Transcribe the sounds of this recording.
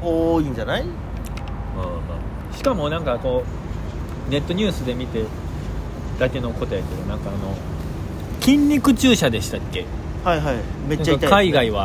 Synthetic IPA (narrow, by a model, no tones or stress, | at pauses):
oːĩɲd͡ʑanai | aːmaː | ɕi̥kamo̞nãŋkako̞ | ne̞t̪ːo̞ɲ̟ɨːsɨd̪e̞mʲit̪e̞ | d̪̥ake̞no̞ko̞t̪ojake̞d̪onãŋkaːno̞ | kʲĩɲʲɾʲikɯ̟t͡ɕɨːɕad̪e̞ɕi̥t̪akːe̞ | haiɦaimenaːakakkaiɡaiβa